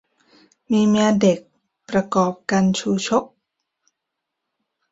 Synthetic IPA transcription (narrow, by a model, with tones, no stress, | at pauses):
miː˧mi˧de˨˩k̚ | pɾa˧kɔː˨˩p̚ka˧nt͡ɕʰuː˧t͡ɕʰo˦˥k̚